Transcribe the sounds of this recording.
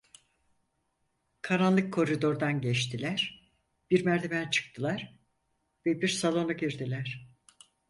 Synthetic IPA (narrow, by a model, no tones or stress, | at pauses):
kʰaɾanlˠɯkʰːo̞ɾid̪o̞ɾd̪anɟɛt͡ʃt̪ʰilʲæɾ̥ | b̥iɾmæɾd̪ʰemænt͡ʃʰɯ̥k̚t̪ʰɯlˠaɾ̥ | vɛbiɾsalˠo̞naɟiɾd̪ilʲæɾ̥